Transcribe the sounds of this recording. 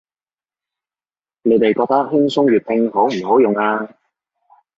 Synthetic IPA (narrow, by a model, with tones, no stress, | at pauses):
ne˨˧˥t̪e˨jkɔː˧k̚t̪ɐ˥k̚hɪ˥ŋsʊ˥ŋjyː˨t̚t̪ʰɪ˧ŋɦo˨˥wm̩˨˩ɦo˨˥wjʊ˨ŋaː˧